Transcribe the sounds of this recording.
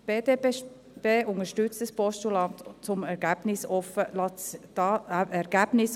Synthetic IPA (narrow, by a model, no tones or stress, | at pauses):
b̥eːde | b̥eːʔʊŋəʃtʏt͡stəspɔstulɑntt͡sʊmɛɾɡæb̥nɪsɔfəlɑdɑɛɾɡ̥æb̥nɪs